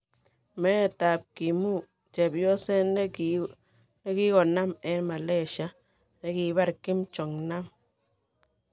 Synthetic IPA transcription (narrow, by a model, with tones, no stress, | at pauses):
mɛ˦ta˨p̚ki˨mu˦˨ | t͡ʃɛ˨bjɔ˦sɛ˦n | ne˦ki˦kɔ˨na˦mɛ˨˦nma˨le˦˨ʃa˦ | ne˦ki˨ba˦ɾki˦mt͡ʃɔ˨ŋna˦m